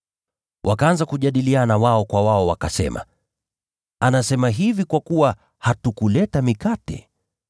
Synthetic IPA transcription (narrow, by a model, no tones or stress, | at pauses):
wʔakaanzakuʄaɗilianawaɔkwawaɔwakasɛ̰ma̰ | anasɛmaɦivikwakuwa | hatukulɛtamikatɛ̰